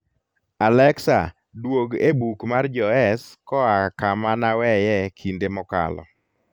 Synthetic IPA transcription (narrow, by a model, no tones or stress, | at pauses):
alɛksa̰ | dwoɡḛbukmard͡ʒɔɛskɔakamanawɛjɛkʰindemɔka̰lɔ̰